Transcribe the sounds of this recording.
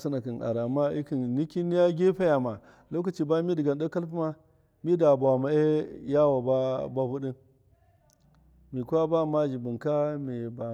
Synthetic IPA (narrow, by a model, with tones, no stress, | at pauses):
su˦na˨ki˨nʔa̰˨ɾa˨ma˦i˦ki˨nni˦ki˦ni˦ja˦ɡʲe˦pa˦ja˨ma˨ | lo˦k̬a˨t͡ʃi˦˨ba˦mi˦di˨ɡa˨n˦da˦ka˦lpu˦ma˦ | mi˦da˨ba˨ma˨e˦ja˦wa˨ba˦ba˦bu˦ɗi˦n | mi˨kʷa˦ba˦˨ma˦d͡ʒi˨bu˨nka˦mi˨ba˨